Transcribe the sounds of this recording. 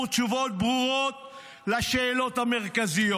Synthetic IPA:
t͡ʃuvo̞t̪̚bʁuʁot̪̚ | laʃeːlo̞t̪ameʁkazijo

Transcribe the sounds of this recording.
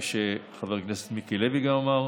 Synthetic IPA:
ʃeχaveʁknese̥t̪mikileviɡamomaʁ

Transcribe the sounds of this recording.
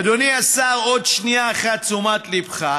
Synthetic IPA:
d̪oniasaʁod̪ʃniaːχat̪t͡sumat̪libχa

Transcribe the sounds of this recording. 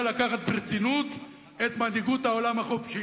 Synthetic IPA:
lakaχat̪̚bʁit͡sinut̪ | et̪mand̪iɡut̪hao̞lamhaχofʃi

